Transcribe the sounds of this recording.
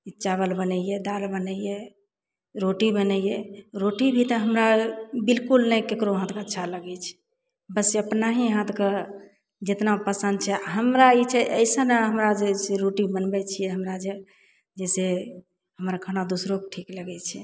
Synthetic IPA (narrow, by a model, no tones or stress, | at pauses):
it͡ʃaβəlbənəjɛd̪aɾbənəijɛ | ɾoʈibənəijɛɾoʈibʱit̪əɦəmɾabilkulnəjkekɾoɦãt̪ʰkəːʃʰaləɡɛt͡ʃʰɛ̥ | bəseəpnaɦiɦãt̪kə | d͡ʒet̪napəsənd̪t͡ʃʰɛɦəmɾait͡ʃʰɛʔəɪsəneɦəmɾad͡ʒeseɾoʈibənbɛt͡ʃʰijɛɦəmɾad͡ʒe | d͡ʒɛse | ɦəmɾakʰənad̪usɾokʈʰikləɡɛt͡ʃʰɛ